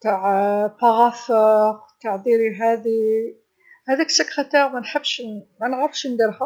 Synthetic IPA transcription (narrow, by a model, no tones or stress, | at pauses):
t̪aʕfɑɣɑθəqt̪aʕd̪iɾiɦæd̪i | hæd̪æksəkæt̪æmænħəbːʃmænɣəfʃnd̪iɾhæ